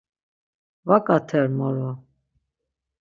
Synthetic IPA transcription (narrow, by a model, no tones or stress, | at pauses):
vakʼat̪ʰɛɾmɔɾɔ